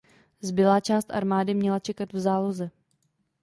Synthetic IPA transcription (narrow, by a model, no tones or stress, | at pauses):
zbɪlaːt͡ʃaːst̪ʔa̰ɾmaːdɪmɲɛlat͡ʃɛkat̪vzaːlozɛ